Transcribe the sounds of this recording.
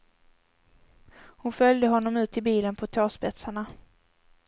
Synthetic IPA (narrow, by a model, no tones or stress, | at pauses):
hʊnfœljd̪əɦɔnːɔmʉ̟ːt̪ʰːɪlbiːlənpʰɔt̪ʰɑːʂpɛt̪saɳa